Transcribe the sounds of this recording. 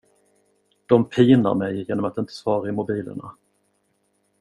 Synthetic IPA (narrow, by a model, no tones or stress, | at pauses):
d̪̥ɔmpʰiːna̰ɾmɛjjeːnɔmat̪ɪnt̪ʰə̥svɑːɾaɪmʊbiːlə̰ɳa̰